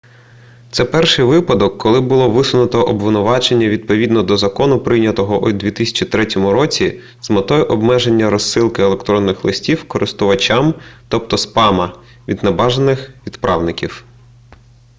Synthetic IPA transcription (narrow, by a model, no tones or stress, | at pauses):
t̪sɛpɛrʃɪjʋɪpɐd̪ɔkːɔlˠɪbʊlˠɔʋɪsʊnʊt̪ɔʔɔbʋɪnʊʋɑt͡ʃenʲːɐʋʲid̪̚pɔʋʲid̪nɔd̪ɔzɐkɔnʊpɾɪjnʲɐt̪ɔɦɔʔud̪ʲʋʲit̪ɪsʲɐ̥t͡ʃit̪ɾɛtʲɔmʊɾɔt͡sʲi | zmɐt̪ɔjɛʔɔbmɛʒenʲːɐɾɔsːɪlˠkɪelˠekt̪ɾɔnːɪxlˠɪsʲtʲiwkɔɾʔɪst̪ʊʋɐt͡ʃʲamt̪ɔp̚t̪ɔspɑmɐ | ʋʲid̪nɐbɑʒenɪxʋʲid̪pɾʔɑ̰wnɪkʲiw